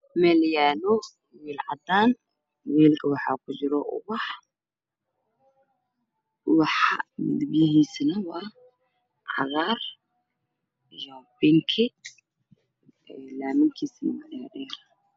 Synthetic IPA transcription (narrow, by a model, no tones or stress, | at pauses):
mɛljaːnʊ | wiːlʕɑd̪aːn | wiːlkʰɐwɑħɑ̰ːkʰʊt͡ʃɪɾɔʔʊ̰wɑħ | wɑħɑd̪ɪbjɐɦiːsnɐwɑː | ʕɑ̰ɾaːr | jɔbɪŋkʰɪ | ɛlaːmɪŋkʰiːsnɐmɐnaɗɛːɾ